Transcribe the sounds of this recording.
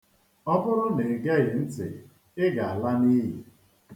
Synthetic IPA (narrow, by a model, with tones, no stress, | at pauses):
ɔ˦bʊ˦ɾʊ˦ne˨ɡe˦ɣɪ˨n̩˦tɪ̰˨ | ɪ˦ɡa˨a˨la˦ni˦ɦḭ˨